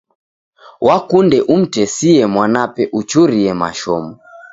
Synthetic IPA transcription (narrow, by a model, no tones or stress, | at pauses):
wʔakundɛʔum̩tɛsiɛmwanapɛʔut͡ʃuɾiɛma̰ʃɔmɔ